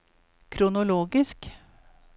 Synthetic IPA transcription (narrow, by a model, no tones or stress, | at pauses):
kʰɾʊnʊloːɡɪsk